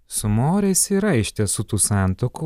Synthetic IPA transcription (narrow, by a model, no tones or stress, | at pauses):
sʊmoːɾʲɛɪsiːɾɐɪʃʲt̪ʲɛsʊt̪uːsɑˑnt̪oːku